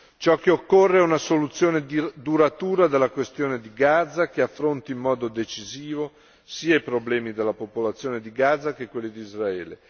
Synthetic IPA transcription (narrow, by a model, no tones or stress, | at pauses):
t͡ʃɔkːeokːorːeɛunasolut̪sːjoːned̪uɾat̪uːɾad̪elːakwest̪joːned̪iɡad̪zak̟eafːɾont̪iːmːɔːd̪od̪et͡ʃiziːvo | siːaipɾoblɛːmid̪elːapopolat̪sːjoːned̪iɡad̪zːakekwelːid̪iizraɛːle